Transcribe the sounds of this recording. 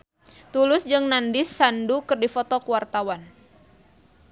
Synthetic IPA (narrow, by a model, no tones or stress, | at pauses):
t̪ulʊsd͡ʒɨŋnandɪsːandukɨrdifɔt̪ɔkəwart̪awan